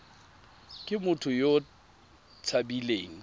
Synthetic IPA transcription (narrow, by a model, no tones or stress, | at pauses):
kʼɪmʊtʰʊjo | t͡sʰabileːŋ̩